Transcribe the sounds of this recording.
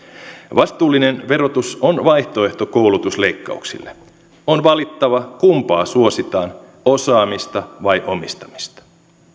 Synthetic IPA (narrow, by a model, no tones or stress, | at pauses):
ʋɑst̪uːlːine̞nʋe̞ɾo̞t̪uso̞nʋɑjht̪o̞e̞ht̪oko̞wlut̪usle̞ikːɑ̰uksḭlːe | o̞nʋɑlit̪ːɑʋɑkumpɑːsuo̞sit̪ɑːn | o̞sɑːmist̪ɑʋɑjʔo̞mist̪ɑ̥mi̥st̪ɑ̥